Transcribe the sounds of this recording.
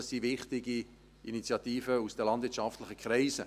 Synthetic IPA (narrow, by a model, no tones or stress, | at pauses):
sivɪχtɪɡi | ʔinit͡sjɑtiːfəusd̥əlɑndvɪtt͡ʃʃɑftlɪχəkʰχrɛɪsə